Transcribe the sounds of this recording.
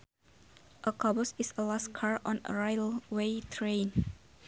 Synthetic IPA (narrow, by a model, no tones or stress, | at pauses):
ʔəkʰɔbɔsisəlaskʰaɹɔ̃nə̰ɹajlwetʰɹẽn